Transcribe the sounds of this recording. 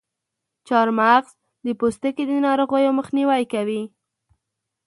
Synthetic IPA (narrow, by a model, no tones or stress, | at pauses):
t͡ʃɑɾmaɣz̥ | d̪əpost̪əked̪ənɑɾoɣəjoməxniwajkawi